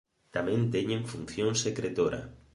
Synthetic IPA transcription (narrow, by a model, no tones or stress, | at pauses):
t̪amẽnt̪eɲẽɱfun̟θjõŋsekɾet̪oɾa̰